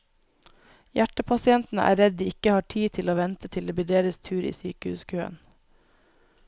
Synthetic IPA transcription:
jæʈəpʰɑsɪɛnt̪n̩əʔæ̰ːɾɛd̪̚d̪iːɪkəhɑːʈʰiːt̪ʰɪloːʋɛnt̪ət̪ʰɪld̪eːbɪɖeːɾəst̪ʰʉːɾḭːsy̰ːkəhʉ̰ːskʰøːə̰n

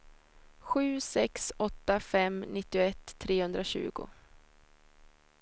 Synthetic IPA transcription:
ɧʉ̟ːsɛksɔt̪ːafɛmnɪt̪ːɪʊɛt̪ʰːɾeːhɵnd̪ɾaɕʉ̟̰ːɡʊ̰

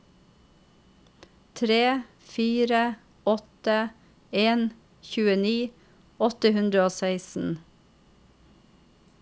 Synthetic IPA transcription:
t̪ʰɾeː | fiːɾə | ɔt̪ə | eːn | çʉːəniː | ɔt̪əhʉnd̪ɾəoːsæɪsn̩

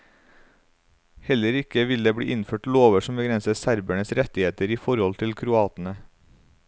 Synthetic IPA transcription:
hɛləɾɪkəʋɪld̪eːbɽḭːʔɪnføːʈloːʋəʃɔm̩bəɡɾɛnsəsæɾbæɳəsɾɛt̪ɪheːt̪əɾiːfɔɾhɔlt̪ʰɪlkʰɾʊɑːt̪n̩ə

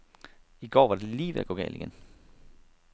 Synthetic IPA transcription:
iɡ̥ɒ̰ːʋɑ̈d̥e̝liːʋḛɐ̰ɡ̥o̰ːɡ̥ɛ̰ːld̥iɡ̥en

